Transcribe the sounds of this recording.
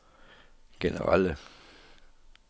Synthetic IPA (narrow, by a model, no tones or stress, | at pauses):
ɡ̥enə̰ʁɑ̈lə